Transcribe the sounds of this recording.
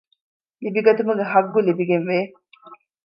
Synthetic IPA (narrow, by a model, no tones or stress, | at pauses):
libiɡɐt̪umɐɡeɦɐɡːulibiɡenʋeː